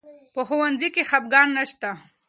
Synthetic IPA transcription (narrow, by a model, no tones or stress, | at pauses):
pəxʊwanzikexab̚ɡɑnːaʃt̪a